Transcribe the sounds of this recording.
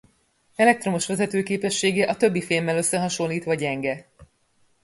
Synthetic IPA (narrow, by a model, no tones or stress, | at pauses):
ɛlɛk̚t̪ro̞moʃʋɛzɛt̪øːkeːpɛʃːeːɡɛʔɒt̪ø̞bːifilmːɛlø̞sːɛɦɒʃo̞lːiːt̪ʋɒɟɛŋɡɛ